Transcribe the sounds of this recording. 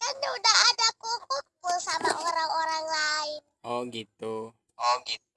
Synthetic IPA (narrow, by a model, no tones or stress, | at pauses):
kandɛudaɦadakukʊt̪̚pʊnsamaʔoɾaŋoɾaŋlaɪn | ɔɡit̪u | ɔɡit̪